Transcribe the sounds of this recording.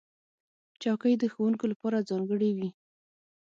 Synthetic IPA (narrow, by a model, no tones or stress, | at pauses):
t͡ʃɑkəjd̪əxowuŋkolapɑɾazɑŋɡəɽewi